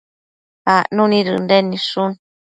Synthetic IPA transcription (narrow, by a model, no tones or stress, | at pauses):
aʔnũnĩɾɨ̰ndenĩʂun